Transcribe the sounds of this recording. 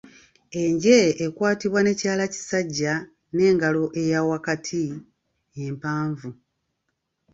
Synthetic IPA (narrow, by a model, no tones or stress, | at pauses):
e̞ɲɟe̞ːkwaːtiβwane̞caːlaci̥saɟːa | ne̞ːŋɡalo̞ʔe̞jawakatʰi | empaːɱvu